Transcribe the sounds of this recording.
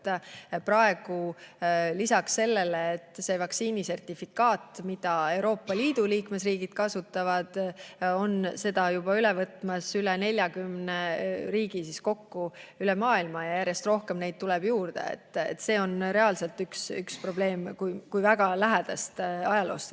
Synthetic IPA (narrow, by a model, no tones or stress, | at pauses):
prɑe̞ɡ̥u | lisɑksse̞lːe̞leːt̪ːˑse̞ːvɑksiːnise̞rt̪ˑifikːɑːt̪ˑmid̪̥ɑe̞wɾo̞ːpːɑliːd̪̥uliːkme̞sriːɡ̥id̪̥kɑsut̪ːˑɑvɑd̪̥o̞nse̞d̪̥ɑjub̥ɑylɛvɤt̪ːˑmɑsylene̞lʲjɑɡymneriːɡ̥isisko̞kːuylɛmɑːilmɑjɑjæɾje̞st̪ro̞hke̞mne̞jd̪̚t̪ulɛb̥juːrd̪̥ḛḛt̪ːˑḛt̪ːse̞ːo̞nɾe̞ɑlse̞lt̪ːyksykspro̞b̥le̞ːmkujkujvæɡ̥ɑlæɦæd̪̥ɑst̪ɑjɑlo̞ːst̪